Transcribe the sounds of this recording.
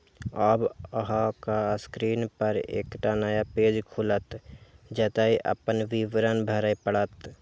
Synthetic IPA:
əːbəɦakaskɾiːnpəɾḛːkʈanəjapeːd͡ʒkʰulət̪d͡ʒɛt̪aɦiʔə̰pənʋiʋɾənbʱəɾəpəɽət̪

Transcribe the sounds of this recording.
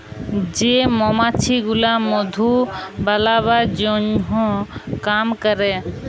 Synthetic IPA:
d͡ʒemɔmat͡ʃʰiɡulamɔd̪ʱubalaβad͡ʒoɲɦõkamkəɾe

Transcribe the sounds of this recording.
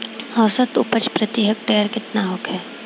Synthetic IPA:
ɔːsət̪ʊpət͡ʃpɾət̪ɪɦək̚ʈeːəɾkɪt̪naɦʊkɦɛː

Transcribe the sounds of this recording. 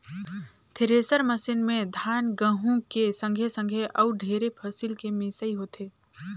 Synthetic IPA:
t̪ʰeɾeːsəɾməsɪnmẽd̪ʱaːnɡə̃ɦũkesə̃ŋɡʱesə̃ŋɡʱeʔɐʊɖʱeːɾepʰəsɪlkemɪsəiɦot̪ʰeː

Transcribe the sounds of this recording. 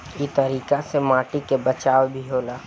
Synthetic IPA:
it̪əɾiːkasemaːʈikebət͡ʃaːwbʱiɦoːlaː

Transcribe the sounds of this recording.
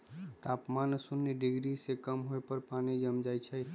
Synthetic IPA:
t̪apmansunːeɖiɡɾisekəmɦoepəɾpanid͡ʒəmd͡ʒajt͡ʃʰɛ

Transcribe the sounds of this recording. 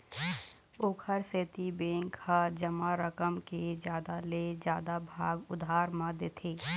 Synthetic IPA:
oːkʰəɾseːt̪ibẽːŋkʰːad͡ʒəmaɾəkəmked͡ʒjaːd̪aled͡ʒjaːd̪abʱaːɡʊd̪ʱaːɾmãd̪eːt̪ʰeː

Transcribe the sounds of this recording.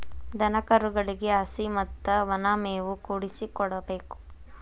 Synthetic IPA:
d̪ɐnɐkɐɾuɡɐɭiɡeɐsimɐt̪ːɐʋɐnaːmeːʋukuːɽisikɔɽɐbe̞ːku̥

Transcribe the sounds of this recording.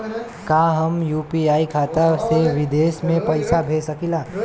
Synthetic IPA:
kaːɦəmjuːpiaːikʰaːt̪aseʋɪd̪eːsmẽpəɪsabʱeːsəkilaː

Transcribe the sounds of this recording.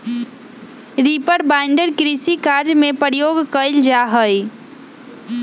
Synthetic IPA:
ɾipəɾbaɪ̃ɳɖəɾkɾisikaːɾd͡ʒmẽpəɾjoːɡkəɪld͡ʒaɦəj

